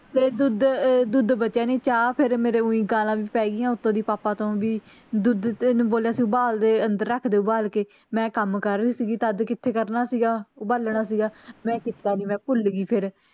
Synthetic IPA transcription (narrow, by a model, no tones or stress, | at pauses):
t̪eːd̪ʊd̪d̪ʊd̪bətːʃaːniːt͡ʃaːpʰɪɾmeːɾeːũːĩːɡaːlãːʋiːpɛːɡiːãːʊt̪ʰːõːd̪iːpaːpãːt̪õːʋiː | d̪ʊd̪ñːboːljaːsiːʊbaːld̪eːənd̪əɾːəkʰd̪eːʊbaːlkeː | mɛ̃ːkəmkəɾːiːsiːɡiːt̪ad̪kɪt̪ʰːeːkəɾnaːsiːɡaːʊbəlɳaːsiːɡaːmɛ̃ːkɪt̪ːaːniːmɛ̃ːpʊlɡiːpʰɪɾ